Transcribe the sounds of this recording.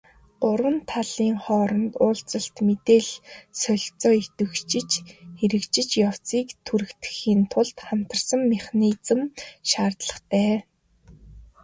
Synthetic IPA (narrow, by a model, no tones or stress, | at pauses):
ʊrwə̆nt̪ʰaɮiːŋχɔːɾɞ̆nt̪ʊːɬt͡sə̆ɬt̪met̪eːɮsœɮʲt͡sɔːit̪ɵ̆xt͡ɕɪ̆t͡ɕxeɾɘ̆kt͡ɕɪ̆t͡ɕjaw̥t͡siːkt̪ʰuɾɘ̆kt̪ɘ̥̆xiːnt̪ʰʊɮt̪χam̥t̪ə̆rsə̆mːɪχniːt͡sə̆mʃaːrt̪ɮə̆χt̪ʰæː